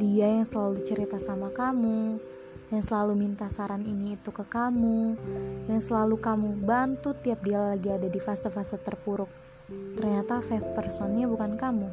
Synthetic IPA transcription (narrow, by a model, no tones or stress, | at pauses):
diajaŋsəlalut͡ʃəɾit̪asamakamu | jaŋsəlalumint̪asaɾaniniːt̪ukəkamujaŋsəlalukamubant̪ut̪ːiap̚dialalaɡiadadifasafasat̪ərpuɾʊk̚ | t̪ərɲat̪afafpərsɔnɲabukankamu